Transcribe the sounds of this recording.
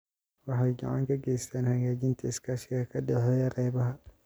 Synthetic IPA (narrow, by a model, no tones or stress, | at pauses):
wɑħɑjɡɑ̰ʕa̰ŋkʰɐɡɛjst̪ʰaːnhɐɣaːd͡ʒɪnt̪ʰiɪskʰaʃɪkɐkʰɐdɛħɔjɐɾɛːβɐɦɐ